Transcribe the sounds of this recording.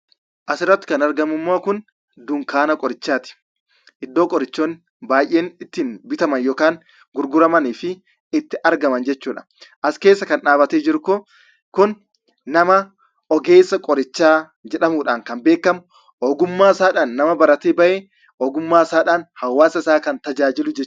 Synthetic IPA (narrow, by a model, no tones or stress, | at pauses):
ʔɐsɪrːɐt̪ːɪ̥kɐnɐɾɡɐmʊmːoːkʊn | d̪ʊŋkaːnɐkʼɔɾɪt͡ʃːaːt̪ɪ̥ | ʔɪd̪ːoːkʼɔɾɪt͡ʃːoːn | baːjʔːeːnɪt̪ːiːnbɪt̪ɐmɐnjoːkaːn | ɡʊɾɡʊɾɐmɐniːfɪ | ɪt̪ːɪʔɐɾɡɐmɐnd͡ʒɛt͡ʃːuːᶑɐ̥ | ʔɐske̞ːsːɐkɐnᶑaːbɐt̪eːd͡ʒɪɾʊko | kʊnː | ɐmɐ | ɔɡe̞ːsːɐkʼɔɾɪt͡ʃːaː | d͡ʒɛᶑɐmuːᶑaːŋkɐnbe̞ːkːɐmʊ | ʔɔːɡʊmːaːɪsaːᶑaːnːɐmɐbɐɾɐt̪eːbɐʔeː | ʔɔːɡʊmːaːɪsaːᶑaːnhɐwːaːsɐɪsaːkɐnt̪ɐd͡ʒaːd͡ʒɪlʊd͡ʒɛt͡ʃː